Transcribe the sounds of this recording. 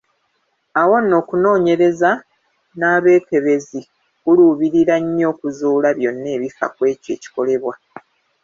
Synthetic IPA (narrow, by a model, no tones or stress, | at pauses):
awanːo̞ːkuno̞ːɲe̞ɾe̞za | naːβe̞ːke̞βe̞zi | kuluβiɾiɾaɲːo̞ːkuzuːlaβjo̞nːe̞ːβifa̰kwe̞ːce̞ːci̥ko̞le̞βwa